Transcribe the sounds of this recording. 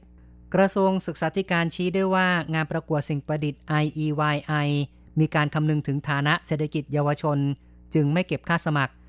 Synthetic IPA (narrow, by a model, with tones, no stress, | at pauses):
kɾa˧su˧əŋsɯ˨˩k̚saː˩˦˥t̪ʰi˦˥˩kaː˧nt͡ɕʰiː˦˥du˥˩əjwaː˥˩ŋaː˧npɾa˧ku˨˩ət̪̚si˨˩ŋpɾa˧di˨˩t̪̚ʔa˧jʔiː˧waː˧jʔa˧j | miː˧kaː˧nkʰa˧mnɯ˧ŋt̪ʰɯ˩˦ŋt̪ʰaː˩˦na˦˥ʔse˨˩t̪ʰːa˧ki˨˩t̪̚jaː˧wa˧t͡ɕʰo˧n | t͡ɕɯ˧ŋma˥˩jke˨˩p̚kʰaː˥˩sa˧ma˨˩k̚